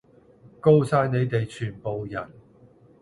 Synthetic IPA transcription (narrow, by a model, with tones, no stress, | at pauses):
ko˥wsaː˧jne˨˧jt̪e˨jt͡ʃʰyː˨˩npo˨wjɐ˨˩n